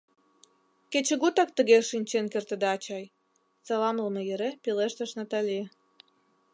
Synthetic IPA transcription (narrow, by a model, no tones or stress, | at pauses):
ket͡ɕə̆ɣut̪ɑk̚t̪ə̆ɣeʃinʲt͡ɕenkert̪əd̪eɑt͡ɕɑj | t͡sɑlɑmləmejeɾepileʃt̪ə̆ʃnɑt̪ɑlʲi